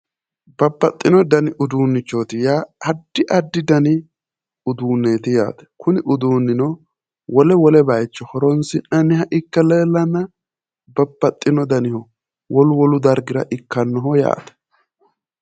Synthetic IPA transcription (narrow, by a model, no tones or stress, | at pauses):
bɐbːɐt̪ʼːɪnɔd̪ɐnɪʔʊd̪uːnːɪt͡ʃːoːt̪ɪjaːɐd̪ːɪʔɐd̪ːɪd̪ɐnɪ | ʊd̪uːnːe̞ːt̪ɪja̰ːt̪ɛ̥kʰʊnɪʔʊd̪uːnːɪnɔ | wɔlɛwɔlɛbɐjt͡ʃːɔhɔɾɔnsɪnːɐnɪhɐʔɪkːɐleːlːɐnːɐ | bɐbːɐt̪ʼːɪnɔd̪ɐnɪhɔ | wɔlʊwɔlʊd̪ɐɾɡɪɾɐʔɪkːɐnːɔɦɔja̰ːt̪ɛ̥